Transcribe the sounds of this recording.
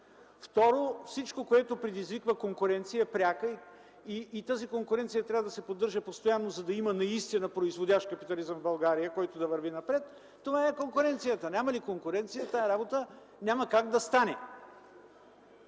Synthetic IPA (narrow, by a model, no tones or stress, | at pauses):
ft̪ɔɾofsit͡ʃkokoɛt̪opɾɛd̪izvikvəkoŋkʊɾɛnt̪sijɐɛpɾʲakəi | iːt̪azikoŋkʊɾɛnt̪sijət̪ɾʲavəd̪ɐsɛpod̪ːəɾʒəpost̪ojanːozɐd̪ɐimənɐist̪inəpɾoizvodʲaʃkɐpit̪ɐlizəmvbɐlˠɡaɾijəkɔjt̪od̪ɐvəɾvinɐpɾɛt̪ː | ovaɛkoŋkʊɾɛnt̪sijət̪ənʲamɐlikoŋkʊɾɛnt̪sijət̪aɛɾabot̪ə | nʲamɐkaɡd̪ɐst̪anɛ